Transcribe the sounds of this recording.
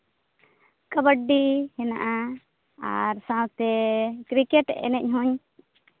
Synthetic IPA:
kəbəɖːihɛnaʔa | a̰ɾsãwt̪ɛkɾikɛʈɛ̰nɛɲɦũɲ

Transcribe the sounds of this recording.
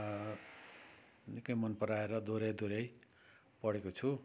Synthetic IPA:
nikʌjmʌnpʌɾaeɾʌd̪oɾʌjd̪oɾʌj | pʌɽekot͡sʰu

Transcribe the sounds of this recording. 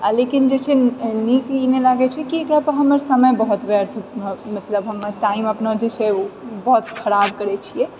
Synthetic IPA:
alekind͡ʒet͡ʃʰɛniklinelaɡɛt͡ʃʰɛkiekɾapəɦəməɾsəməjbəɦut̪beɾt̪ʰmət̪ləbɦəmʈaiməpnəd͡ʒet͡ʃʰɛobəɦut̪kʰəɾab̚kəɾɛt͡ʃʰijɛ

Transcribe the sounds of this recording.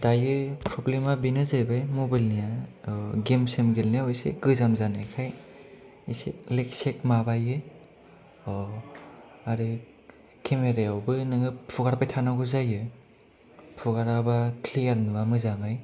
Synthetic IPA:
dajɯpʰɾɔblemabinɯzajbajmobajlnija | ɡemsemɡelnijawjsḛɡɯzamzanekʰaj | isḛklek̚sek̚mabajɯ | ɔ | aɾɯ | kʰemeɾajawbɯnɯŋɯpʰuɡaɾpajtʰanaɡuzajɯ | pʰuɡaɾabakʰliaɾnɯwamɯzamaj

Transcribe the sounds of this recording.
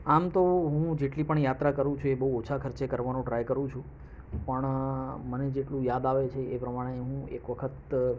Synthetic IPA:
amt̪oɦũd͡ʒeʈlipəɳjat̪ɾakəɾũt͡ʃʰuebəɦuot͡ʃʰakʰəɾt͡ʃekəɾʋanũɖɾajkəɾũt͡ʃʰũ | pəɳməned͡ʒeʈlũjad̪aʋet͡ʃʰeepɾəmaɽ̃eɦũḛkʋəkʰət̪

